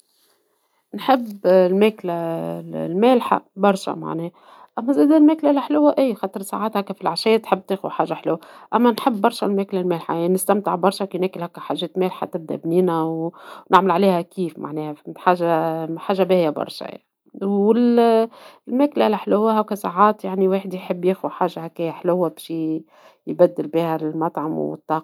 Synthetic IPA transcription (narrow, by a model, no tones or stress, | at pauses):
nħɪbːlmeːklallmeːlħa̰bɑɾˤʃa̰ma̰ʕneː | ʔamːaziːd̪ɪlmeːklaliħlʊwːaʔiːxɑːt̪ˤɨɾsa̰ʕaːt̪hakːafilʕaʃeːt̪ħɪbːt̪eːxʊħaːʒːaħlʊ̰wːaʔamːænħɪbːɑɾˤʃalmeːklalmeːlħa̰jaʕʕinɪst̪amt̪ɪʕbɑɾˤʃakeneːkɪlhækːaħaːʒːeːt̪meːlħa̰t̪ɪb̚d̪a̰bniːnawnɪʕmalʕaleːhækiːfma̰ʕnɛːhæħaːʒaħaːʒːabehjːæbɑ̰ɾˤʃɑ̰ | wɪl | lmæːklælɪħlʊwːahækːæsaːʕaːt̪jaʕniweːħɪd̪jħɪbːjeːxwiħaːʒahækːeħlʊwːabeːʃi | jbæd̪ːɪlbiːhælmɑt̪ˤʕʊmɪ̰t̪ˤːɑːq